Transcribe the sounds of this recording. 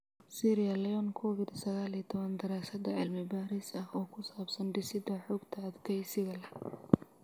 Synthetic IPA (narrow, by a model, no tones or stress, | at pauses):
siːɾɪjɐlɛjɔnkʰɔːwɪd̪sɐɣaːlit̪ʰɔβɐnd̪ɐɾaːsɐd̪ɐʕɪlmɪbaːɾɪsɐhɔːkʰʊsaːbsɐnɖɪsɪd̪ɐħɔːɡt̪ʰɐːd̪kʰɛjsɪɣɐlɐ